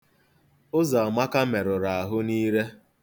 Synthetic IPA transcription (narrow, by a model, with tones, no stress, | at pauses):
ʊ˦za˨a˨ma˦ka˦me˨ɾʊ˨ɾa˨a˨ɦʊ˦niː˦ɾe˦